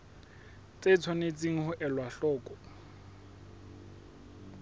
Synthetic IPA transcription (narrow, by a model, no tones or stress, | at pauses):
t͡set͡sʰwɔnet͡sʼiŋ̩hʊʔɛlwaɬɔːkʼɔ